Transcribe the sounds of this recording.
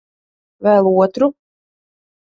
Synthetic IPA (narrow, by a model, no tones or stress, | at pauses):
vɛːlˠuɔt̪ɾu